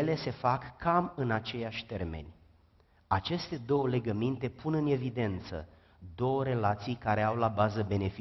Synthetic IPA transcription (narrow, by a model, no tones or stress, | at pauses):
le̞se̞fakːamɨnat͡ʃe̞jaʃʲt̪e̞rme̞̰nʲ | at͡ʃe̞st̪e̞d̪o̞wəle̞ɡəmint̪e̞pʰunɨne̞vid̪e̞nt̪sə̰ | d̪o̞wəɾe̞lat̪sijkaɾe̞awlabazəbe̞ne̞fi